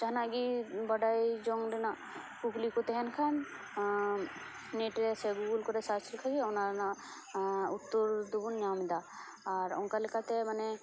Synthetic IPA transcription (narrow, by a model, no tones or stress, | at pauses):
d͡ʒanaɡibɐɖajd͡ʒɔŋɖɛna | kuklikɔt̪ɛɦɛnkʰan | neʈɾɛsɛɡuɡulkɔɾɛsat͡ʃʰilkʰaɡiɔnaɾna | ut̪ːoɾd̪ubunːjaːmid̪aː | ɾɔ̰ŋkalikat̪ɛmanɛ